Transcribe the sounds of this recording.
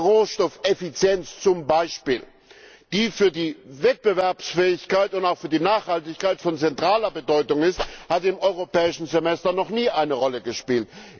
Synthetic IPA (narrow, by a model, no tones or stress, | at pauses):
ʁoːʃtɔfʔefit͡sjɛnt͡st͡sʊmbaɪʃpiːl | d̥iːfyːɐdiːvɛt̚b̥əvɛɐpsfɛːɪçkaɪtʊntaʊfyːɐdiːnaːχhaltɪçkaɪtfɔnt͡sɛntʁ̥aːlɐbədɔʏtʊŋɪsthatɪmɔʏʁ̞opɛːɪʃn̩zemɛstɐnɔχniːʔaɪnəʁɔləɡəʃpiːlt